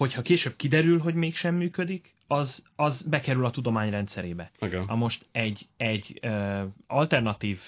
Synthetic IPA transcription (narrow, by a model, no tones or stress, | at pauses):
ho̞chɒkeːʃøːb̚kid̪ɛɾylɦo̞ɟmeːkʃɛmːyːkø̞d̪ik | ɒzɒzbɛkɛɾylɒt̪ud̪o̞maːɲrɛnt̪sɛɾeːbɛiɡɛnɒmo̞ʃt̪ɛɟɛɟːøɒlt̪ɛrnɒt̪iːv